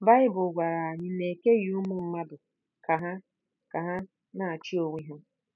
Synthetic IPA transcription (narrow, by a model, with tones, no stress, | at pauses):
ba˦ɪ˦bʊ˨ɡʷa˨ɾa˨a˨ɲɪ˦ne˨ke˦ju˦mʊ˨m̩˦ma˦dʊ˨ | ka˨ɦa˦ | ka˨ɦa˦ | na˨a˨t͡ʃi˦o˨wʷi˦ɦʊ˦